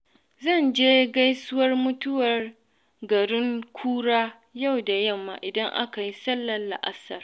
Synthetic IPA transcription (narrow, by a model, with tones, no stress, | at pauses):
zɐ˦˨nd͡ʒeː˦ɡa˦jsʊ˦wɐ˦rmʊ˦tʊ˦wɐ˨r | ɡɐ˨ɽɪ˦ŋkʷʰuː˦ɽaː˦ | ja˦˨wda˨jɐ˦˨mːa̰ː˨ʔɪ˨dɐ˦ŋʔa̰˦ka˨ji˦sɐ˦lːɐ˨lːa̰˨ʔa˦sɐ̰˨r